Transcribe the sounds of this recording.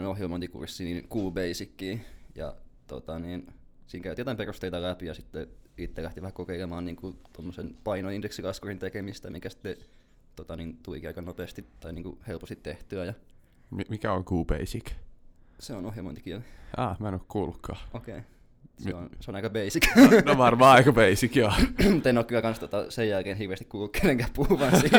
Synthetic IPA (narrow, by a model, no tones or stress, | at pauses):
nohjelmoint̪ikṵrsːiniːnkuːbeisikːiːjɑ̰t̪o̰t̪ɑniːnsiːŋkæyt̪iot̪ɑimperust̪eit̪ɑlæpijɑsit̪ːeit̪ːelæht̪iʋæhækokeilemɑːnniːŋkut̪omːosenpɑinoindeksikɑskurint̪ekemist̪æmikæsi̥t̪ːe | t̪ot̪ɑnint̪ulikiɑikɑnopeːst̪it̪ɑiniːŋkṵhelpost̪it̪t̪eht̪yæjɑ | mimikæoŋkuːpḛisik | seonohjɑmoint̪ikiælɑːmænːykkuːlukʰːɑːokeː | seonseonɑikɑbeisikʋɑrʋɑːɑikɑbeisikjomut̪enokːylɑkɑnst̪ot̪ɑsejjælkeːnhirʋeːst̪ikkuːlːukːeleŋkæhpuhuʋɑnsi